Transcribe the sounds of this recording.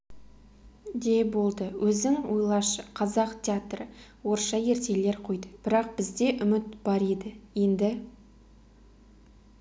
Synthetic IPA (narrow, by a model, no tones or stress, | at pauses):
d̪e̞bo̞lˠd̪əwʔɵzɪŋwojlˠɑʃə̥qʰɑzɑqt̪ʲʰeat̪rəwo̞ɾʃɑje̞ɾt̪e̞le̞ɾqʰo̞jd̪əb̥ɪɾɑq̚b̥ɪzd̪e̞ʔʏmɪt̪b̥ɑɾed̪ɪje̞nd̪ɪ